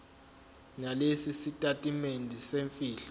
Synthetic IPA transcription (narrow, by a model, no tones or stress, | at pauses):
nalesisitʼatʼimendʱiseɱfiːɬɔ